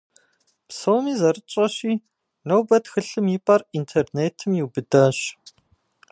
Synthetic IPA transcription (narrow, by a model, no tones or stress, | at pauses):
psowmiːzɐrɨt͡ʃʼɐɕiː | nowbɐtxɨɬɨmiːpʼɐrintʰerneːtʰɨmjiwbɨdɐɕ